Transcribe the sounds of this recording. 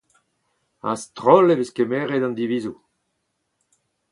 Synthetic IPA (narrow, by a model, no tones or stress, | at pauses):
a̰st̪ʁɔlebeskemeʁed̪ɑ̃nd̪iviːzu